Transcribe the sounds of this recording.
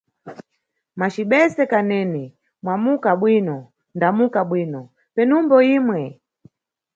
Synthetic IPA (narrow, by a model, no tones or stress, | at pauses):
mat͡ʃiɓɛsɛkanɛːnɛ | mwamukaɓwinɔ | ndamukaɓwiːnɔ | pɛnumbɔiːmwɛ